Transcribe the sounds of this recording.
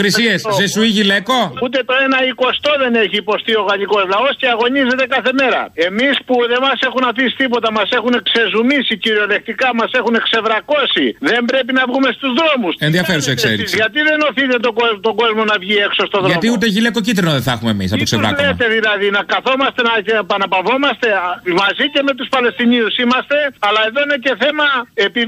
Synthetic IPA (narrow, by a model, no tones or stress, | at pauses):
kɾisieszesuiʝilekout̪e̞t̪o̞e̞nɐiko̞st̪o̞ðe̞ne̞çiːpo̞st̪io̞ɣɐʎiko̞zlɐo̞sceɐɣo̞ɲize̞t̪e̞kɐθe̞me̞ɾɐ̰e̞mispuðe̞mɐse̞xunɐθisi̥t̪ipo̞t̪ɐmɐse̞xune̞kse̞zumisiciɾio̞le̞kt̪ikɐmɐse̞xune̞kse̞vɾɐko̞siðe̞mbɾe̞pinɐvɣume̞st̪uzðɾo̞musenðiɐfeɾusekseɾʝɐt̪iðe̞no̞θit̪e̞t̪oɡot̪o̞ɡo̞zmo̞nɐvʝiekso̞st̪o̞ðɾɐomt̪iut̪eʝilekocit̪ɾinoðeθɐxumemḭs̬ɐ̰okseɾɐlet̪e̞ðilɐðinɐkɐθo̞mɐst̪e̞nɐcepɐnɐpɐvo̞mɐst̪e̞mɐzice̞me̞t̪uspɐle̞st̪iniusimɐst̪e̞ɐlɐeðo̞ine̞ce̞θe̞mɐe̞pi